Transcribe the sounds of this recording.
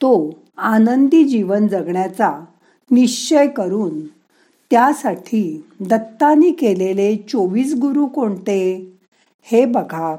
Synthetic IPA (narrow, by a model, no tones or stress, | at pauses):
t̪o | anənd̪id͡ʑiʋənd͡zəɡɳjat͡sa | niɕt͡ɕəjkəɾuːn | t̪jasaʈʰiːd̪ət̪ːaniːkelelet͡soʋiːsɡuɾuːkoɳt̪e | hebəɡʱa